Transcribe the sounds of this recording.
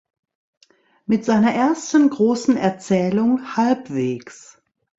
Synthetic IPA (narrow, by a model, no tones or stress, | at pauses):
mɪtz̥aɪnɐʔeːɐstən̩ɡʁoːsn̩ɛɐt͡sɛːlʊŋhalpv̥eːks